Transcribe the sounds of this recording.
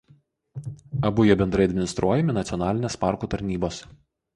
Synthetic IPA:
ɐbʊjoːbʲɛnd̪ɾɐɪɐd̪ʲmʲɪnʲɪst̪ɾʔuɔjɛmʲɪnɐt̪sʲɔnɑːlʲɪnʲeːspɑˑɾkuːt̪ɐɾʲnʲiːboːs

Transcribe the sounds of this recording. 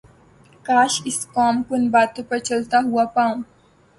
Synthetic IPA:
kaːʃɪskaːmkʊnbaːt̪õpɐɾt͡ʃɐlt̪aɦuapãː

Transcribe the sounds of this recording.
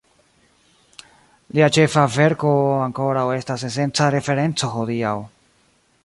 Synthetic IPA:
liat͡ʃe̞fave̞ɾko̞aŋko̞ɾawe̞stase̞s̬e̞nt͡saɾe̞fe̞ɾe̞nt͡so̞xo̞diaw

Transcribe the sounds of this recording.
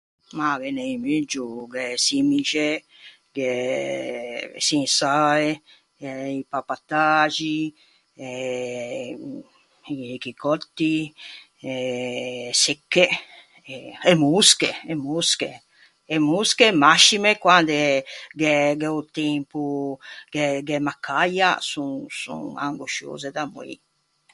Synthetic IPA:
maɡɛneimyd͡ʒuɡɛsimit͡ʃe | ɡe | sinsae | ɛipapat̪at͡ʃi | ɛ | kikɔt̪ːi | ɛ | sekːe | ɛɛmuskeɛmuskḛ | ɛmuːskemaʃːimekwand̪eɡɛɡɛut̪empuɡɛɡɛmakʰːaja̰suŋsṵ̃ŋa̰ŋɡoʃo̰ːzed̪amuḭ

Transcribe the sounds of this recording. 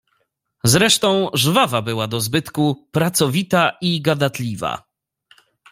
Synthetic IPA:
zɾɛʂt̪ɔ̃w̃ʐvavabɘwad̪ɔzbɘt̪kupɾat̪sɔvʲit̪aiɡad̪at̪lʲiva̰

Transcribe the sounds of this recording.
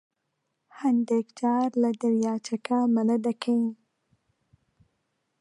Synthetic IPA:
hand̪ekd͡ʒɑːɾlad̪aɾjɑt͡ʃakamalad̪akʰaĩ

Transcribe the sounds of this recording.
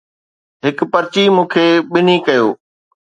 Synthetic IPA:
ɦɪkpɐɾt͡ɕimũːkʰeːɓɪnikɐjoː

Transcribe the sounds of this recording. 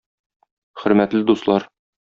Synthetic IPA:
χɵ̆ɾmæt̪lɘd̪uslˠɑɾ

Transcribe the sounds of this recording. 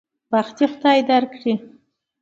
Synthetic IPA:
baxt̪ixʊ̥d̪ɑjd̪aɾkɽi

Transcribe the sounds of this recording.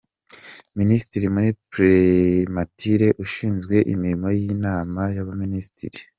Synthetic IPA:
ministiɾimuɾipɾematiɾe̞ʔuʃiːnzɡwe̞ʔḭmiɾimo̞jinaːmajaβaminisi̥tḭɾi

